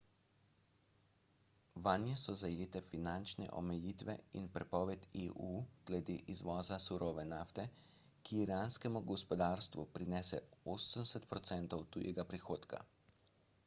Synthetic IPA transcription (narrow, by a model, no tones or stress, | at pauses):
ʋanjɛsɔzajeːt̪ɛfinant͡ʃnɛ̰ʔɔ̰mɛjiːt̪ʋɛ̰ḭnpɾɛpɔːʋɛt̪eʔuːɡ̥lɛd̪eːʔizʋɔːzasuɾoːʋɛnaːft̪ɛ | kiːɾaːnskɛmuɡɔspɔd̪aːɾst̪ʋupɾinɛːsɛoːsənsɛt̪pɾɔt̪sɛnt̪ɔwt̪ujɛ̰ɡapɾixoːt̪ka̰